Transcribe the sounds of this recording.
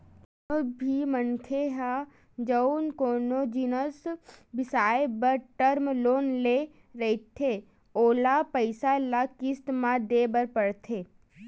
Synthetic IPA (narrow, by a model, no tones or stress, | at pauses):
obʱimənkʰeɦa | d͡ʒəʊnkoːnod͡ʒinəsbɪsaːebəɾʈəɾmloːnle | ɾəit̪ʰe | oːlapəɪsalakɪst̪mãd̪eːbəɾpəɽt̪ʰeː